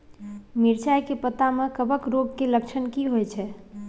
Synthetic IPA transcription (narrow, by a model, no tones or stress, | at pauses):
miɾt͡ʃajkepət̪amekəbəkɾoɡkeləkt͡ʃʰənkiɦojt͡ʃʰɛ